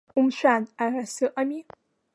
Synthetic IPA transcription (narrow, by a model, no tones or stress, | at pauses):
ʊmʃʷᶣanarasɨʔʼami